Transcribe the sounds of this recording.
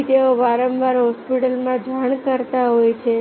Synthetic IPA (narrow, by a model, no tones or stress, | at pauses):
t̪eoʋaɾəmʋaɾɦɔspiʈəlmãd͡ʒaɳkəɾt̪aɦojt͡ʃʰe